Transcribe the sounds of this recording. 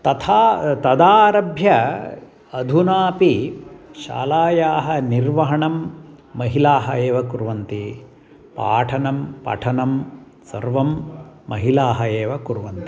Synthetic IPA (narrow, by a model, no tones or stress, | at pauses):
t̪ɐt̪ʰaːt̪ɐd̪aːɾɐbʱjɐ | ɐd̪ʱunaːpiʃa̰ːlaːjaːɦɐniɾʋɐɦɐɳɐmːɐɦilaːɦɐeːʋɐkuɾʋɐnt̪i | pa̰ːʈʰɐnɐmpɐ̰ʈʰɐnɐm | sɐ̰ɾʋɐmːɐɦilaːɦɐeːʋɐkuɾʋɐnt̪i̥